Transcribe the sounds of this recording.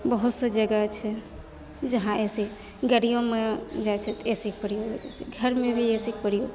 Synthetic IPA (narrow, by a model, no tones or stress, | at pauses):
bəɦut̪səd͡ʒəɡat͡ʃʰɛ | d͡ʒəɦãese | ɡəɽijõmed͡ʒat͡ʃʰɛt̪esikpəɾijoɡed͡ʒɛ̰seɡʱəɾmebʱiesik̚pəɽijoɡ